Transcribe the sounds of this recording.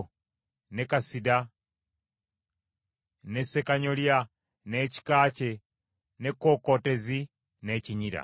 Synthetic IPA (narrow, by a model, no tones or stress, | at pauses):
nekasida | nesekaɲolja | neci̥kaːt͡ʃe | nekokotezi | neciɲiɾa̰